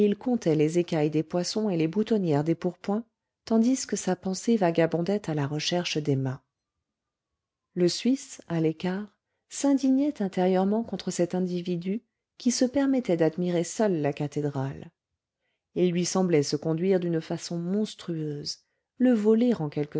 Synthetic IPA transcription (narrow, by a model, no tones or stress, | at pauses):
ilkɔ̃t̪ɛlezekajd̪epwasɔ̃elebut̪ɔnjɛʁd̪epuʁpwɛ̃ | t̪ɑ̃d̪iskəsapɑ̃sevaɡabɔ̃d̪ɛt̪alaʁəʃɛʁʃəd̪emɛ̃ | ləsɥisalekaːʁ | sɛ̃d̪iɲɛt̪ɛ̃t̪eʁjœʁmɑ̃kɔ̃t̪χəsɛt̪ɛ̃d̪ivid̪y | kʲisəpɛʁmɛt̪ɛd̪ad̪miʁesœlːakat̪ed̪ʁal | ilːɥisɑ̃blɛsəkɔ̃d̪ɥiʁd̪ynfasɔ̃mɔ̃st̪χyøz | ləvɔleʁɑ̃kʲɛlkə